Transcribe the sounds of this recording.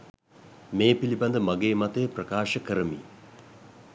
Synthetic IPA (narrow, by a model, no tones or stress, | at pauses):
meːpiliband̪əmaɡeːmat̪ejprəkaːʃəkəɾəmḭː